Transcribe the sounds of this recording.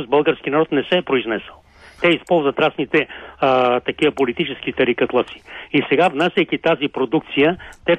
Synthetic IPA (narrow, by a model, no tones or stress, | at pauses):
zbəlˠɡəɾskinɐɾɔt̪nɛsɛːpɾoiznɛsəlˠ | t̪ɛispɔlˠzvət̪ɾasnit̪ɛ | t̪ɐkiəpolit̪it͡ʃɛskit̪ɐɾikɐt̪lˠat̪si̥isɛɡavnasʲɐjkit̪azipɾod̪uk̚t̪sijət̪ɛ